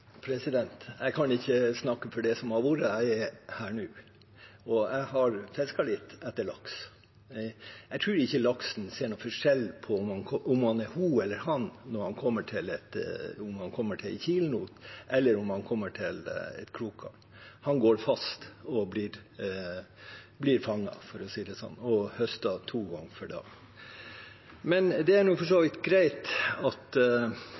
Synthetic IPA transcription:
pʰɾɛsɪd̪ɛnt̪æɪkʰɑnɪçːəsnɑkːəfɔɖɛsɔmhɑɾʋuɾəæɪɛɾhæːɳʉː | ɔæɪhɑɾfɛskɑlɪt̪ːɛt̪ːəɭɑ̰ks | ɛɪt̪ʰɾʉːɾɪçːəlɑksn̩seːɳɔfɔʂɛlːpʰɔmɑnʰʔʊmhɑnɛɾhuːɛlːəɾhɑnnɔɾhɑnkʰɔmːəʈʰɪlɛt̪ʊmhɑnkʰɔmːəʈʰɪlçiːlnuːt̪ʔɛlːəɾʊmhɑnkʰɔmːəʈʰɪlɛ̰t̪kʰɾuːkʰɑ̰ | hɑnɡoːɾfɑst̪ɔblɪɾ | blɪɾfɑŋːɑ̰fɔɾɔsiːd̪ɛsɔ̰nːɔhœst̪ɑt̪ʰuːɡɑŋːfɔɖɑ̰ːɡ | mɛnd̪ɛæɳuːfɔʂoːʋɪt̪ɡɾæɪt̪ɑt̪

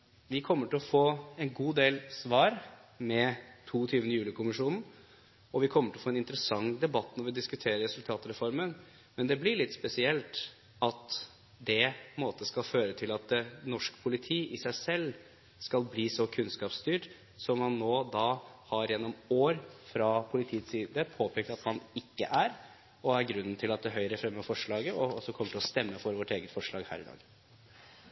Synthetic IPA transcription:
ʋɪkʰɔmːəʈɪlɔfoːɛnɡuːd̪eːlsʋɑːɾmɛt̪ʰuːɔt̪ʰyːʋənəjʉːlɪkʊmɪʂuːnn̩ | ɔʋɪkʰɔmːəʈʰɪlɔfoːɛnɪnt̪ɾəsɑŋd̪ɛbɑt̪ːnɔɾʋɪd̪ɪskʉt̪ʰeːɾəɾɛsʉlt̪ʰɑːt̪əɾɛfɔɾmən | mɛnd̪ɛblɪɭɪt̪ːspɛsɪɛlt̪ | ɑt̪ | d̪ɛmoːt̪əskɑlføːɾət̪ʰɪlɑt̪nɔʂkpʰʊlɪt̪ʰiːʔɪsæɪsɛlː | skɑlbliːsɔkʰʉnskɑːpst̪yːʈ | sɔmhɑnːoːd̪ɑːhɑɾjɛnːɔmoːɾfɾɑpʰʊlɪt̪ʰiːət̪siːd̪əpʰoːpʰɛːk̚t̪ɑt̪mɑnɪkːə̰ʔæɾ | ɔæɾɡɾʉnnt̪ʰɪlɑt̪̚d̪ɛɦœʏɾəfɾɛmːəfɔʂɭɑːɡəɔɔsɔkʰɔmːəʈʰɪlɔst̪ɛmːəfɔɾʋɔʈeːɡət̪fɔʂɭɑːɡhæ̰ːɾɪd̪ɑ̰ːɡ

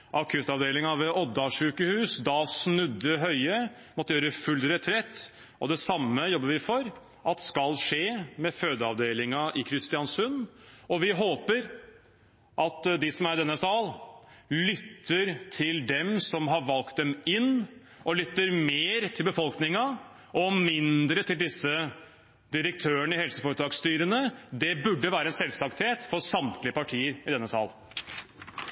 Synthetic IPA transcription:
ʔɑkʰʉːt̪ɑʋd̪eːlɪŋɑʋɛʔɔd̪ɑʂʉːkəhʉːsd̪ɑsnʉd̪ːəɦœʏə | mɔt̪ːəjøːɾəfʉlːɾɛt̪ʰɾɛt̪ː | ɔd̪ɛsɑmːəjɔbːəɾʋɪfɔɾ | ʔɑt̪skɑlʂeːmɛføːd̪əɑʋd̪eːlɪŋɑʔɪkʰɾɪst̪ɪjɑnsʉnːɔʋɪɦoːpəɾ | ʔɑt̪d̪ɪsɔmæɾd̪ɛnːəsɑːllʏt̪ːəɾt̪ʰɪld̪ɛmsɔmɦɑɾʋɑlk̚t̪̚d̪ɛmɪnː | ɔlʏt̪ːəɾmeːɾt̪ʰɪlbəfɔlknɪŋɑ | ɔmɪnd̪ɾət̪ʰɪld̪ɪsːə | d̪ɪɾək̚t̪ʰøːəɳəɪhɛlsəfoːɾət̪ʰɾɑːɡst̪yːɾənəd̪ɛbʉɖːəʋæːɾəɛnsɛlsɑkt̪heːt̪fɔsɑmt̪lɪəpɑʈʰiːəɾɪd̪ɛnːəsɑ̰ːl

